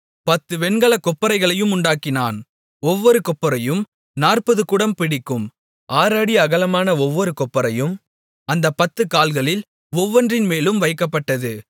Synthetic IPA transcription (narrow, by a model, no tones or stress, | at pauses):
pɐt̪ːɯʋɛnɡɐɭɐkɔpːɐɾɐɪɣɐɭɐjɯmʊɳɖaːkːɪnaːn | ɔʋːɔɾɯkɔpːɐɾɐjɯm | naːrpɐðɯkʊɽɐmpɪɽɪkːɯm | ʔaːɾaːɽiɐɣɐlɐmaːnɐɔʋːɔɾɯkɔpːɐɾɐjɯm | ɐnd̪ɐpɐt̪ːɯkaːlɣɐɭɪl | ɔʋːɐndrɪnmeːlɯmʋɐɪkːɐpːɐʈːɐðɯ